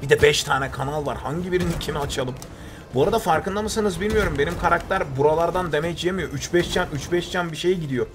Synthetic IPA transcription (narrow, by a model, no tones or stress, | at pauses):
bid̪ɛbɛʃt̪ʰaːnɛkʰanalˠvaɾhaɲɟibiɾinicʰimiat͡ʃʰalˠɯm | buaɾad̪afaɾkɯnd̪amasanɯzbilʲmijo̞ɾumbe̞nimkʰaɾak̚t̪ʰæɾbuɾalˠaɾd̪and̪e̞mɛt͡ʃʰijemijo̞ʔyt͡ʃbɛʃt͡ʃʰænyt͡ʃbɛʃt͡ʃʰænbiʃe̞jɟid̪ijo̞